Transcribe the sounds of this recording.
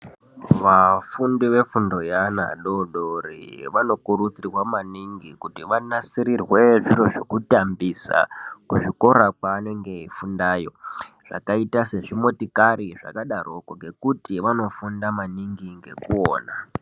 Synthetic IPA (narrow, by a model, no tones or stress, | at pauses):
ʋafundiʋe̞fundo̞jana̰ɗo̞ɗorḭʋano̞kurut͡sirwamaniŋɡikutiʋanasiɾirwe̞ʐiɾoʐokutambisa̰kuʐiko̞ɾakwaːne̞ŋɡeifundaːjo̞̰ | ʐ̥a̰kaitase̞ʐimotikaɾiʐa̰kaɗarokoŋɡe̞kutiʋano̞fundamaniŋɡiŋɡe̞̰kuoːna